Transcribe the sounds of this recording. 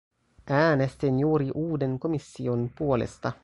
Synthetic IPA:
ʔæːnest̪injuːɾiʔuːde̞ŋko̞misːio̞npuo̞lḛst̪ɑ

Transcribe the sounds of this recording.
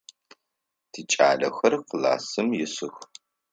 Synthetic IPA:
tʰit͡ʃʼa̰ːɮɐxɐrqəla̰ːsɨmjɪsɨx

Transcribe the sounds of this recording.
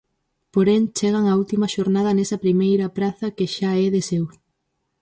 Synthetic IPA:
poɾeŋt͡ʃeɣ̞ɐŋɐult̪imɐʃoɾnaðɐnesɐpɾimejɾɐpɾaθɐkeʃaɛðesew

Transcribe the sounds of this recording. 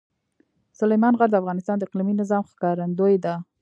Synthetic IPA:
sʊlajmɑnɣaɾd̪əafɣɑnɪst̪ɑnd̪əɪqliminɪzɑmxkɑɾand̪ojed̪a

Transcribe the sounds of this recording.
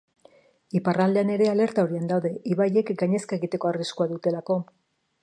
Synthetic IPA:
iparald̪e̞ane̞ɾe̞ale̞ɾt̪ao̞ɾiand̪awðe̞ʔiβaje̞kɡaɲe̞skae̞ɣit̪e̞ko̞ariskuaðut̪e̞lako̞

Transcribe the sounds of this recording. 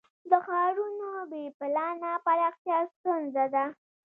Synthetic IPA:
d̪əxɑɾunobepɪlɑnapaɾɑxt̪jɑst̪unzad̪a

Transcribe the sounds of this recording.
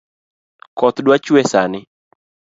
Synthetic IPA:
kɔt̪dwat͡ʃuɛsanɪ

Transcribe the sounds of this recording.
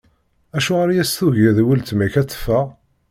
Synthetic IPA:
æʃuʁaɾajæsθuʝæðwəlt̪mæçæt͡sːə̥fːəʁ

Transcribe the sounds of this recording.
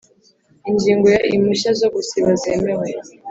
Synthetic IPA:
iɲd͡ʒiːŋɡojaʔimuʃazoɡusiβazemewe

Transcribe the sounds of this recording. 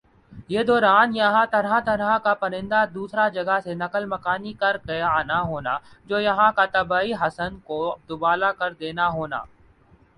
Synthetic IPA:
jeːd̪ɔːɾaːnjɐɦãt̪ɐɾɦãt̪ɐɾɦãkapɐɾɪ̃nd̪ad̪uːsɾad͡ʒɐɡəsenɐkəlmɐkaːnikɐɾkeaːnaɦoːnad͡ʒoːjɐɦãkat̪ɐbaːiɦɐsənkod̪ʊbaːlakɐɾd̪eːnaɦoːna̰ː

